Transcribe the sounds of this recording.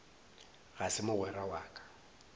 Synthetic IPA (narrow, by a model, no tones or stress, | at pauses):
ɣasɪmʊɣwɛrawaːkʼḁ